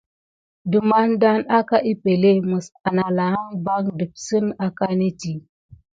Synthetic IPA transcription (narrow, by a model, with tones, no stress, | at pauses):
du˨ma˦nda˦na˦ka˦ʔi˦pe˨le˦mu˨sa˨na˨la˨a˦ŋba˦ŋdɨ˨p̚sɨ˦na˦ka˦ne˦ti˨